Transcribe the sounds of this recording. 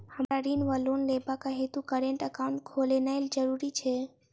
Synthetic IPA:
həmɾaɾinʋəlonlebakaɦet̪ukəɾeɳʈəkaʊɳʈ̚kʰolenaeld͡ʒəɾuɾit͡ʃʰe

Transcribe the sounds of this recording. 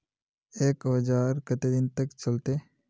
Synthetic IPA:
eːkɦəd͡ʒaːɾkət̪ed̪ɪnt̪əkt͡ʃɐlt̪eː

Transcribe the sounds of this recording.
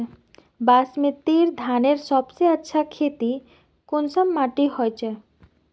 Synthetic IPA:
baːsmẽt̪eːɾd̪ʱaːneɾsɔbseətːʃʰakʰeːt̪i | kʊnsəmːaːʈiɦɔjt͡ʃʰɛ

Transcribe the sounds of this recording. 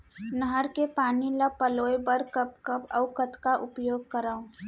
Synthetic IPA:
nəɦəɾkepaːniləpəloːjbəɾkəp̚kəpə̰ʊkət̪kaʔʊpjoːɡ̚kəɾaːõ

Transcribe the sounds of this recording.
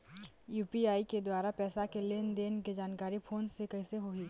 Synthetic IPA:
juːpiaːiked̪waːɾapɛːsakeleːnd̪eːnked͡ʒaːnkaːɾipʰoːnsekɐiseɦoiː

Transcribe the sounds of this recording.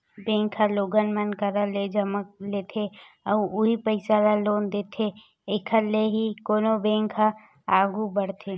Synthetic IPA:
bẽːŋkʰaloːɡənmənkəɾaled͡ʒəmək̚leːt̪ʰe | əʊɦipəɪsalaloːnd̪eːt̪ʰe | ekʰəɾleɦikoːnobẽːŋkʰa | aːɡubəɽt̪ʰe

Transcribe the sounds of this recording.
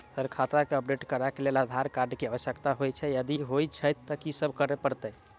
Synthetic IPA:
səɾkʰat̪ɾakeəpɖeʈkəɾakelelad̪ʱaɾkaɾɖkeaʋəsjəkt̪aɦojt͡ʃʰɛjəd̪iɦojt͡ʃʰət̪ːəkisəbʱkəɾepəɾt̪əj

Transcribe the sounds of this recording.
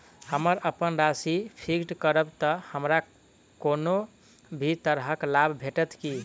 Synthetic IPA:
həməɾʔəpənɾasipʰikʈkəɾəbt̪əhəmɾa | kono | bʱit̪əɾɦəklabʱbʱeʈət̪ki

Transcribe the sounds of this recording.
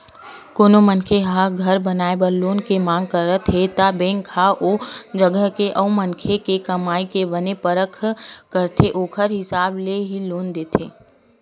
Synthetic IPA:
koːnomənkʰeɦaɡʱɐɾbɐnaːebəɾloːnkemãːŋɡ̚kəɾət̪ʰet̪abẽːŋɡkʰaʔoːd͡ʒəɡəɦkeʔɐũmə̃nkʰekekɐmaːikebɐnepəɾəkʰːkəɾt̪ʰeʔoːkʰəɾɦɪsaːbleɦiloːnd̪eːt̪ʰeː

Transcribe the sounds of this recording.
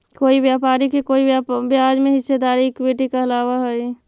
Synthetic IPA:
koːibjaːpaːɾikekoːibɪaːd͡ʒmẽɦɪsːed̪aːɾiɪkweʈikaɐlaːʋaɦɛi

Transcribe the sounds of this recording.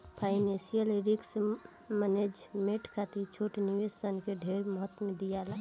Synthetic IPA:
pʰaɪnẽsijəleɾiks | məned͡ʒmeʈkʰat̪it͡ʃʰoʈniʋessənkeɖʱeɾməɦət̪mẽd̪ijala

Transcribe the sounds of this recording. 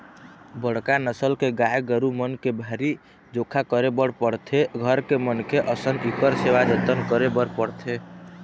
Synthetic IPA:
bəɽkanəsəlkeɡajɡəɾumənkebʱaɾi | d͡ʒokʰakəɾebəɽpəɽt̪ʰeɡʱəɾkemənkeʔəsənikəɾseʋad͡ʒət̪ənkəɾebəɽpəɽt̪ʰe

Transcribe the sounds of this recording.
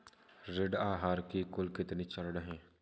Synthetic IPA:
ɾɪɖaːɦaːɾkikʊlkɪt̪niːt͡ʃəɾɽɦɛ̃ː

